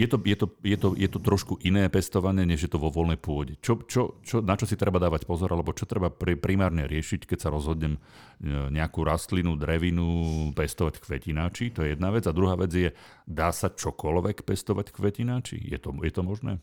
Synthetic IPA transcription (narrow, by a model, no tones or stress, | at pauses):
jɛt̪ɔjɛt̪ɔjɛt̪ɔjɛt̪ɔt̪ɾɔʃkuʔinɛːpɛst̪ɔʋaɲɪɛɲɛʒjɛt̪ɔʋɔʋɔlnɛjpʊɔɟɛt͡ʃɔt͡ʃɔt͡ʃɔnat͡ʃɔsit̪ɾɛbad̪aːʋacpɔzɔɾʔalɛbɔt͡ʃɔt̪ɾɛbapɾpɾimaːɾɲɛɾɪɛʃickɛcsaɾɔzɦɔd̪ɲɛm | ɲɛakuːɾast̪linud̪ɾɛʋinupɛst̪ɔʋackʋɛcinaːt͡ʃit̪ɔjɛjɛd̪naʋɛd͡zad̪ɾuɦaːʋɛd͡zjɛ | d̪aːsat͡ʃɔkɔlʋɛkpɛst̪ɔʋackʋɛcinaːt͡ʃḭjɛ̰t̪ɔjɛt̪ɔmɔʒnɛ̰ː